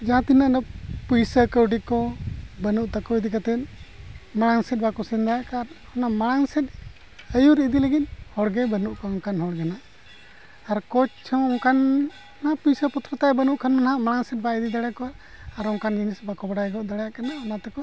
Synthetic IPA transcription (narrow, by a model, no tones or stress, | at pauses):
d͡ʒaɦãt̪inənəpujsəkəwɖikɔbənuʔt̪akɔid̪ikat̪ɛt̪̚ | maɽaŋsɛt̪̚bakɔsɛnd̪ajakaɾ | ɔnamaɽ̃aŋsɛt̪̚ | əjuɾid̪iləɡit̪̚ˀhɔɽɡɛbənuʔkɔɔŋkanɦɔɽɡɛnaʔː | ɾkɔt͡ʃ̚t͡ʃʰɔ̃ɔŋkan | ɔnapujsəpɔt̪ɾat̪abənuʔkʰanmanhaʔmaɽ̃aŋsɛt̪̚baid̪id̪aɽɛkɔa | aɾɔŋkand͡ʒinisbakɔbaɽajɡɔʔd̪aɽɛjaʔkanaɔnat̪ɛkɔ